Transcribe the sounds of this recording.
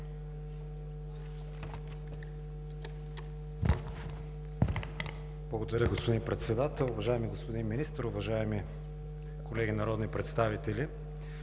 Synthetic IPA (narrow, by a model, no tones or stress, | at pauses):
blˠɐɡod̪ɐɾʲəɡospod̪inmpɾɛt̪sɛd̪at̪ɛlˠʊvɐʒaɛmiɡospod̪inminist̪əɾʊvɐʒaɛmi | kolɛɡʲinɐɾɔd̪nipɾɛt̪st̪avit̪ɛli